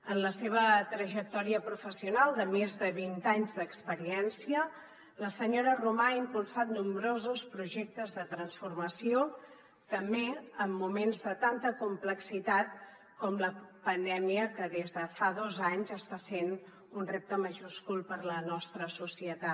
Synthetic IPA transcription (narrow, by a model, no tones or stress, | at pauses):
ənləseβ̞ət̪ɾəʒək̚t̪ɔɾiəpɾufəsiunalˠd̪əmezðəβint̪aɲzd̪əkspəɾiɛnsiə | ləsəɲoɾərumaːimpulˠsat̪numbɾozuspɾuʒɛk̚t̪əzðət̪ɾənsfurməsio | t̪əmbeəmːumenzðət̪ant̪əkumpləksit̪at̪̚ | kɔmləpənd̪ɛmiəkəðezðəfaðozaɲzəst̪asen | unrep̚t̪əməʒuskulˠpəɾlənɔst̪ɾəsusiət̪a